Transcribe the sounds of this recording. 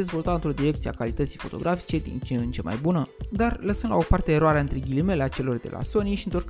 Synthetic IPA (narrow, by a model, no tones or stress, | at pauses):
ezvo̞lt̪aɨnt̪ɾo̞d̪iɾe̞kt̪siea̰kalit̪ət̪sijfo̞t̪o̞̰ɡɾʔafi̥t͡ʃe̞d̪ḭnt͡ʃeɨnt͡ʃe̞ma̰jbunəd̪arləsənd̪la̰o̞part̪e̞ːɾoaɾeaɨnt̪ɾeɡʲilimeleat͡ʃe̞lo̞rd̪e̞̰lʔa̰so̞niʃiɨnt̪ork